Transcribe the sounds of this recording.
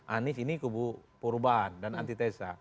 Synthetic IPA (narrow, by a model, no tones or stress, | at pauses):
ʔanisinikubupuɾubaɦandana̰nt̪it̪esa